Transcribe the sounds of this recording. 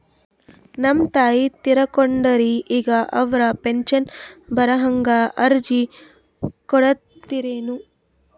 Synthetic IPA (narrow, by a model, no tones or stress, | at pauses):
nɐmt̪aːjit̪iɾɐkoɳɖɐɾiʔːɡɐʔɐʋɾɐpenʃɐnbɐɾɐɦɐŋɡɐʔɐɾd͡ʒi | kɔɽɐt̪ːiɾeːnu